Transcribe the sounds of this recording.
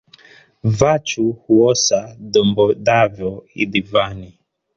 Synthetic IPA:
vat͡ʃuhuɔsadɔmbɔdavjɔḭdivani

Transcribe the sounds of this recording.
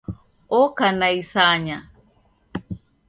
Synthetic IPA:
ɔkanaisaɲa

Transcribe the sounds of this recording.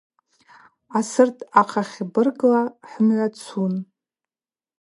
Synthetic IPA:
asɨrtʰaqʰaχʲibɨrɡlaħəmʕʷat͡sʰun

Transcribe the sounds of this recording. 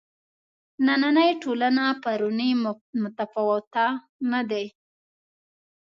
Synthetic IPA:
nananəjʈolanapaɾʊnəjmʊt̪afawt̪a | nad̪ej

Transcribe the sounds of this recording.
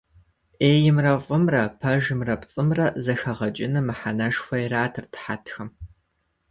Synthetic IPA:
ʔeːjɪmrɐfʷʼʊmrɐpʰɐʒmrɐpt͡sʼɨmrɐzɐxɐʁɐt͡ʃʼɪnɨmɨħanɐʂxʷɐjraːtʰɨrtʰħatʰxɐm

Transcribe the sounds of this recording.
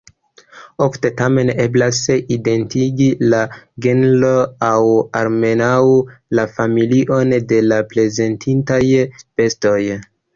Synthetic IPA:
ofte̞tame̞ne̞blaside̞ntiɡilaɡenloawaɾme̞nawulafamiliʔo̞nde̞laple̞ze̞ntʰintajfe̞sto̞j

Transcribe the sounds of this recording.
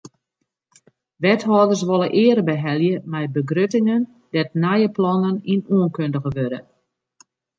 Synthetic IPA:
ʋɛtɦɔːdərs̬ʋolˠəʔɪərbəɦɛlˠjəmɛjbəɡrøtɪŋən | d̥ɛtnajəplɔnəninuənkøndəɣəʋødə̰

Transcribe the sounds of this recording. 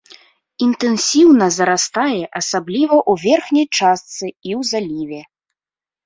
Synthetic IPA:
int̪ɛnsʲiwnɐzɐɾast̪ajɛʔasablʲivɐʔuvʲɛrxnʲɐjt͡ʂast̪sɨiwzalʲivʲɛ

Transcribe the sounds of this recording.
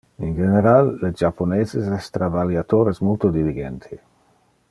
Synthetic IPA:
ind͡ʒeneɾalːed͡ʒaponeːzezɛst̪ɾabaljat̪oːɾesmolt̪od̪iliɡent̪ʰi

